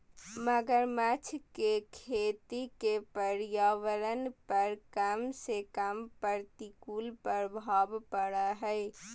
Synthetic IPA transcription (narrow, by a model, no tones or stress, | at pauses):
məɡəɾmət͡ʃʰkekʰet̪ikepəɾjaʋəɾənpəɾkəmsekəmpəɾt̪ikulpəɾbʱabpəɽaɦə